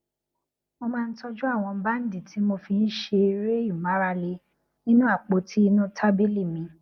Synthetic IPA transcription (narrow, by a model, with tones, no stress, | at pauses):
mo˧mãː˧n̩˦sɔ˧d͡ʒu˦a˦˨w̃ɔ̃˧˦ba˦n̩˦di˦˨tʰi˨˦mo˧fi˧n̩˦ʃe˧ɾe˦jũ˨ma˨˦ɾa˧le˧ | nĩ˦nũ˦a˦˨k͡po˧tʰi˦i˧nũ˦tʰa˦bi˦li˦˨mĩ˨˧